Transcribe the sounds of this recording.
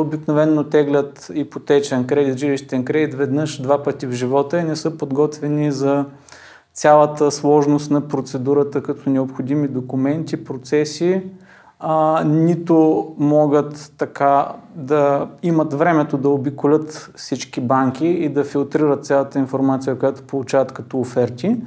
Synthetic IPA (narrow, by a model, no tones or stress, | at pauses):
obiknovɛnːot̪ɛɡlʲət̪ipot̪ɛt͡ʃɛnkɾɛd̪it̪ʒiliʃt̪ɛnkɾɛd̪it̪vɛd̪nɤʃd̪vapət̪ivʒivɔt̪əɛnɛsɤpod̪ɡɔt̪vɛnizɐ | t̪sʲalˠət̪əslˠɔʒnost̪nɐpɾot̪sɛd̪uɾət̪əkɐt̪ɔnɛopxod̪imid̪okʊmɛnt̪ipɾot̪sɛsi | nit̪omɔɡət̪ːɐkad̪ɐimət̪vɾɛmɛt̪od̪ɐobikʊlʲət̪fsit͡ʃkibaŋk̟iid̪ɐfilˠt̪ɾiɾət̪̚sʲjalˠət̪əinfoɾmat̪sijəkojat̪o̥polˠut͡ʃavət̪kɐt̪ɔːfɛɾt̪ʲi